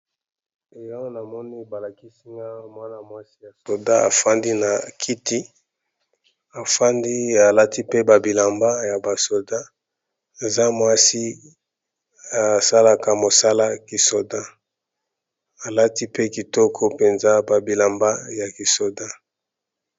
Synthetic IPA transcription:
e˨ja˦o˦na˨mɔ˦ni˦ba˨la˨ki˦si˦ŋɡa˦mwa˦na˨mwa˦si˦ja˨so˨da˦a̰˨fa˦ndi˦na˨kʰi˦ti˦ | a˨fa˦ndi˦a˨la˦ti˦pe˦ba˨bi˨la˨mba˦ja˨ba˨so˨da˦ | e˨za˦mwa˦si˦ | a˨sa˦la˦ka˨mo˨sa˦la˦ki˨so˨da˦ | a˨la˦ti˦pe˦ki˨tɔ˦kʰo˦pe˨nza˦ba˨bi˨la˨mba˦ja˨ki˨so˨da˦

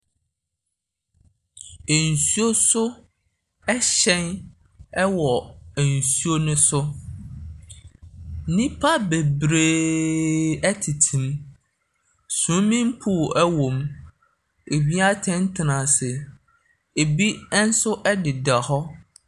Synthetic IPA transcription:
e˨n̩˨su˦o˦sʊ˦ | ɛ˦ɕɛ̃˦n | ɛ˦wɔ˨n̩˨su˦o˦nʊ̃˦sʊ˦ | nĩ˦pʰa˦be˨bɾe˦˨ | ɛ˦tʰi˨tʰĩ˨m | sũ˨˦mĩ˦m˦pʰu˦˨ʔɛ˦wõ˨m | e˨bi˦a˦tʰɛ̃˦n˦tʰɪ˨nã˨sɛ˨ | e˨bi˦n̩˦sʊ˦ʔɛ˦dɪ˨da˨hɔ˦

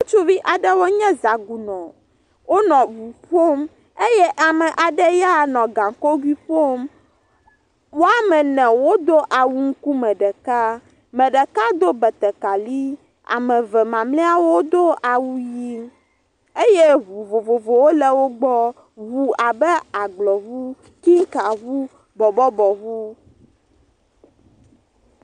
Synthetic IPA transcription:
wo˦t͡ʃu˦vi˦ʔa˨ɖɛ˦wo˦ɲɛ̃˦za˨ɡu˨nɔ̃˨ | wo˦nɔ̃˨vu˨ɸo˦m | e˦jɛ˦ʔa˨mɛ˨ʔa˨ɖɛ˦ja˦˨nɔ̃˨ɡã˨ko˦ɡwi˦ɸo˦m | wo˦a˦˨mɛ̃˨nɛ̃˨wo˦d̪o˦ʔa˨wu˦ŋ̩˦ku˦mɛ̃˨ɖɛ˨ka˦ | mɛ̃˨ɖɛ˨ka˦d̪o˦bɛ˨t̪ɛ˨ka˨li˦ | a̰˨mɛ̃˨vɛ˨mã˨mlɛ˦a˦wo˦d̪o˦a˨wu˦ji˦ | e˦je˦vu˨vo˨vo˨vo˨wo˦lɛ˨wo˦ɡ͡bɔ˦ | vu˨a˨bɛ˦a˨ɡ͡blɔ˨vu˦ | ki˦ŋ˦ka˨vu˦ | bɔ˨bɔ˦bɔ˨βu˦

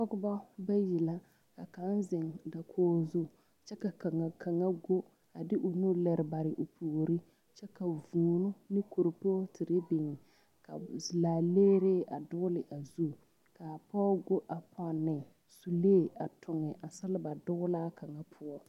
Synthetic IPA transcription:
pɔ˦ɡʊ˦ba˦ba˦ji˨la˦ | ka˨ka˨˦nzɪ˨ŋda˨kʰoː˦zu˦ | t͡ʃɛ˦ka˨ka˨ŋa˨kʰa˨ŋa˦ɡo˦ | a˨dɪ˦ʔʊ˨nu˦lɛ˨ɾɪ˨ba˨ɾɪ˨ʔʊ˨pʰuː˨ɾi˦ | t͡ʃɛ˦ka˨vuː˨nu˦nɪ˦ku˨ɾpo˦tʰɪ˨ɾɪ˦bɪ˨ŋɪ˨ | ka̰˨zlaː˨leː˦ɾeː˦ʔa˨dʊ˦ʊ˦lɪ˨ʔa˨zu˦ | ka˨pɔː˦ɡo˦ʔa˨pʰɔ˨nːɪ˨ | su˨leː˦˨a˨tʊ˨ŋɛ˨ʔa˨sa˦lɪ˦ba˨dʊ˦ɣʊ˦laː˦kʰa˨ŋa˦pʰʊ˦ɔ˦

